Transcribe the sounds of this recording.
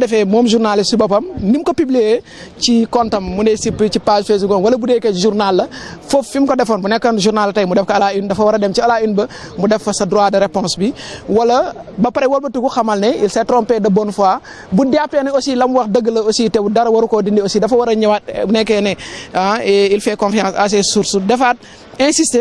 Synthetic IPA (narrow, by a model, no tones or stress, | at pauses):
dɛfɛmoːmʒuɾnalisibɐp̬ɐmnimkɐpiblije | cikɔntɐmːunɛsipːit͡ʃipaʒfes̬bukonwɐlɐbudekeʒuɾnalːɐfoffimkɐdɛfɐnbunɛkːɐnʒuɾnalːɐtɐjmudɛfkɐɐlaindɐfɐwɐɾɐdɛmt͡ʃiɐlainbɐ | mudɛfːɐsɐdɾwaːdɐɾepɔ̃nsbiwɐlɐbɐpɐɾewɐlbɐtuɡuxɐmɐlnɛilsɐtɾɔmpɛdɐbonfua | budjapːɛniosilɐmwɐxdɐɡɐlɐositɛbudɐɾɐwɐɾukoːdindiosiːdɐfɐwɐɾɐɲɐwat̚bunɛkːɛnɛaɛilfɛkɔ̃nfɛãːsɐs̬esuɾsudɛfat̚ | ɛ̃nsiste